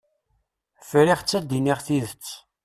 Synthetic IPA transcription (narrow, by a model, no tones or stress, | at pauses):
fɾiʁt͡sːæd̪iniʁθiðət͡sː